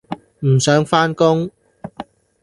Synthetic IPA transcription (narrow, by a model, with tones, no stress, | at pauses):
m̩˨˩sœː˨˥ŋfaː˥nkʊ˥ŋ